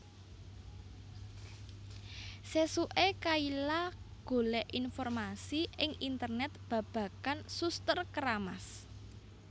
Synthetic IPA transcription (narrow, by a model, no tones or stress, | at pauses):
sesuʔekailaɡ̥o̤lɛʔinfɔrmasiɪŋint̪ərnɛt̪̚b̥a̤b̥ä̤kansust̪ərkəɾamas